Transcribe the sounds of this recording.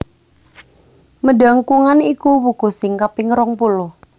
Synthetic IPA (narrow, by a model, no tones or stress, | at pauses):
məɖa̤ŋkuŋanikuwuɡ̥o̤sɪŋkapɪŋɾɔŋpuluh